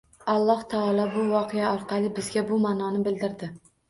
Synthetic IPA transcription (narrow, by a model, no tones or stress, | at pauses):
ɑlˠːɒht̪ʰɑɒlˠɒbʊwɒqʰejaɒɾqʰɑlˠɪbɪzɡʲabʊmaːnɒnɪbɪld̪ɪɾd̪ɪ